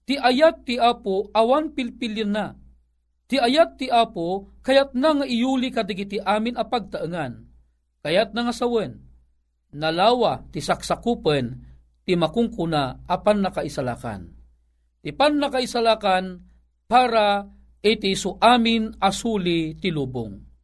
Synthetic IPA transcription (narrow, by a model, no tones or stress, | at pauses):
t̪iʔajat̪̚ːiaːpoawanpilpilanːa | t̪iajat̪̚ːiʔaːpokajat̪̚naŋaʔijulikad̪aɡit̪iʔaminapaɡ̚t̪aʔəŋan | kajat̪̚naŋasawənː | alawat̪isaksakupən | t̪imakʊŋkunaapanːakaisala̰ka̰n | t̪ipanːakaisalakan | paːɾa | ʔit̪isʊʔamɪnasulit̪iluːbʊ̰ŋ